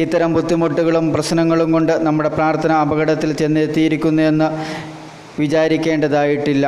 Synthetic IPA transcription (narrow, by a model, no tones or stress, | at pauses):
it̪ːɐɾɐmbʱut̪ːimuʈ̪ːuɣɐɭumprɐɕnɐŋːɐɭumko̞ɳɖɨnɐmːuɽe̞praːrt̪ʰɐnɐɐbɐɣɐɽɐt̪ːilt͡ɕenːɐet̪ːijiɾikʲːunːue̞nːɨ | ʋit͡ɕaːɾikʲːe̞ːɳɖɐðaːjiʈːilːɐ